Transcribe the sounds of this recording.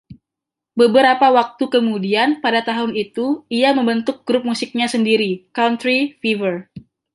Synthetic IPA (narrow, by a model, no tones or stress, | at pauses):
bəbəɾapawak̚t̪ukəmudianpadat̪aɦʊnit̪uiaməmbənt̪ʊk̚ɡ̥ɾʊp̚musɪk̚ɲasəndiɾikawnt̪ɾifivər